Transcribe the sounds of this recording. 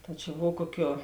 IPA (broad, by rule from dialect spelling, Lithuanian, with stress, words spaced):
tɐ t͡ʃʲɛ ˈboːw ˈkuɔˌkʲuɔ